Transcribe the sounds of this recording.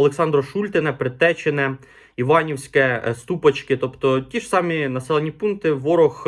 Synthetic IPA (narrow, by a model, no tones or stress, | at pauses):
ɐlˠeksɑnd̪ɾɔʃulʲt̪ɪnɛpɾɪt̪ɛt͡ʃenɛ | iʋɑnʲiwsʲkɛst̪upɐt͡ʃkɪt̪ɔpt̪ɔtʲiʐsɑminɐsɛlˠenʲipunk̚t̪ɪʋɔɾɔx